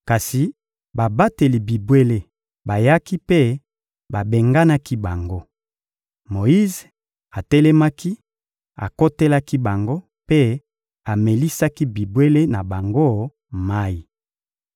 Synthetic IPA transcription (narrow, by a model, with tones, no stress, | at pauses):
ka˨si˨ | ba˨ba˦te˨li˨bi˨bwe˦le˦ | ba˨ja˦ki˦pe˦ | ba˨be˨ŋɡa˦na˦ki˦ba˨ŋɡo˦ | mo˨ji˦ze˨ | a˨tɛ˦le˦ma˦ki˦ | a̰˨ko˦te˦la˦ki˦ba˨ŋɡo˦ | pe˦ | a˨me˨li˦sa˦ki˦bi˨bwe˦le˦na˨ba˨ŋɡo˦ | ma˦i˨